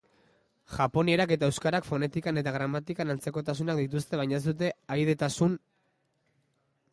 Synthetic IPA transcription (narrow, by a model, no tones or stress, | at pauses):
ʝapo̞nie̞ɾake̞t̪aewskaɾakfo̞ne̞t̪ikane̞t̪aɣɾamat̪ikanant͡seko̞t̪asunak̚d̪it̪̬ust̪e̞β̞ajɲaesd̪ut̪̬e̞ajð̞e̞t̪asun